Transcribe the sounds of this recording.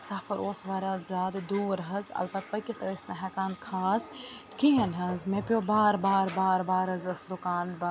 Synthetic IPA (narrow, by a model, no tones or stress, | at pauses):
saːfʰɐɾʔoːsʋaːɾʲazʲaːd̪d̪uːɾɦɐzɐ̰lpɐt̪̚pɐkit̪ɐəsnɐɦɛkaːnkʰaːs | kiɦɐnɦɐzmepʲjoːbaːɾbaːɾbaːɾbaːɾɐzɐsɾukaːnbɐ